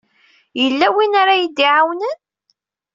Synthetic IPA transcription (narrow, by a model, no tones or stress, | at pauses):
jəlːæwinaɾajid̪iʕawnən